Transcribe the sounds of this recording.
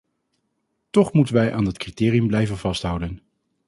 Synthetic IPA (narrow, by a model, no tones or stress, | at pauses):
tɔχmutənʋɛjʔaːndətkritɪːrijɵmblɛjvənvɑstɦʌwdən